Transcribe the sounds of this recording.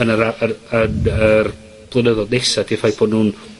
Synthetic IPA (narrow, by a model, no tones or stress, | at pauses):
ənəɾaəənər | b̥lˠənəðɔnejsadʰifajpʰb̥ʰoːdnuːn